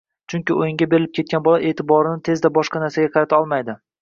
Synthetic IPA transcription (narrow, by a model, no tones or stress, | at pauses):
t͡ʃʰʊŋkʲɪojɪŋʲabe̞ɾɪlɪp̚kʰʲe̞t̪̚kʲanbɒlˠaʔe̞ːt̪ʰɪbɒɾɪnɪt̪ʰe̞zd̪abɒʃqɑnaɾsaɡʲaqʰɑɾat̪ʰaɒlˠmajd̪ɪ